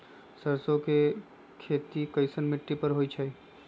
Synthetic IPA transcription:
səɾsoke | kʰet̪ikəɪsənmɪʈːipəɾɦojt͡ʃʰəj

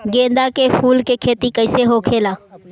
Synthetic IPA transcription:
ɡẽːn̆d̪akeːfʰuːlkeːkʰeːt̪ikəɪseɦoːkʰeːlaː

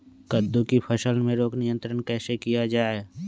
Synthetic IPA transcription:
kəd̪ːõkipʰəʃəlmẽɾoːknɪjə̃nt̪ɾənkɛːsekijad͡ʒaːe

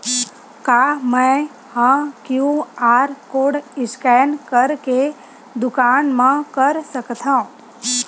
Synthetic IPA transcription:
kamə̃ | hãkjuaːɾkoɽɪskɛnkəɾke | d̪ʊkaːnmãkəɾsəkt̪ʰã

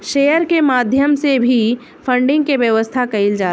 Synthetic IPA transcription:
ʃeːjəɾkemaːd̪ʱjəmsebʱi | pʰə̃ɳɖɪ̃ŋɡ̚keʋjəʋəst̪ʰakɐild͡ʒaːɾ

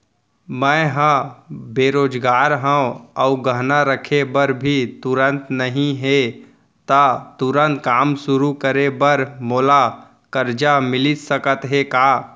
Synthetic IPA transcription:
mə̃ɦə̃beːɾoːd͡ʒɡaːɾɦə̃əuɡəɦnaɾəkʰebəɾbʱit̪ʊɾə̃nt̪nəɦĩɦe | t̪at̪uɾə̃nt̪̚kaːmsʊɾukəɾebəɾmoːla | kəɾd͡ʒamɪlɪt̪səkət̪ɦekaː

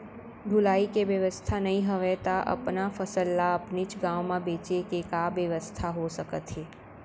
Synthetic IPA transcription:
d̪ʱʊlaːikeʋjəʋəst̪ʰanɐɦĩɦəʋɛt̪aʔɐ̰pnafəsəlːaɐpnit͡ʃɡãːwmãbeːt͡ʃekekabjəʋəst̪ʰaɦosəkət̪ɦeː

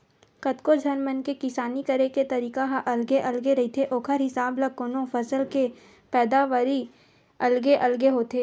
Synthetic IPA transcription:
kɐt̪kod͡ʒʱɐnmənkekɪsaːnikɐɾeket̪ɐɾiːkaɦãʔɐlɡeʔɐlɡeɾɐɦit̪ʰeʔoːkʰəɾɦɪsaːblɐɡkoːnõfʰɐsəlke | pɛːd̪aʋəɾi | ɐlɡeʔɐlɡeɦoːt̪eː

